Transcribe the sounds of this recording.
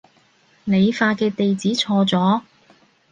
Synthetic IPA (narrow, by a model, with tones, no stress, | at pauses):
ne˨˧jfaː˧kɛː˧t̪e˨jt͡siː˨˥t͡sʰɔː˧t͡sɔː˨˥